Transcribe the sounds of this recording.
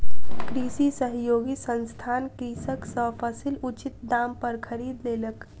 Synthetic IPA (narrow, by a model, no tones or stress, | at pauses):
kɾisisəɦjoɡisənst̪ʰankisəksəpʰəsilut͡ʃit̪̚d̪ampəɾkʰəɾid̪lelək